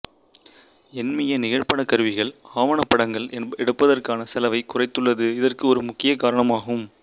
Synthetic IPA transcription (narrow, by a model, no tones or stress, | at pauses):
ɛnmɐjɐnɪɣɐɻpɐɳɐkɐɾɯʋɪɣɐɭaːʋɐɳɐpːɐɽɐŋɡɐɭɛɛɽɯpːɐðɐrkaːnɐsɛlɐʋɐɪkʊrɐɪt̪ːɯɭːɐðɯɪðɐrkɯɔɾɯmʊkːɪjɐkaːɾɐɳɐmaːɣɯm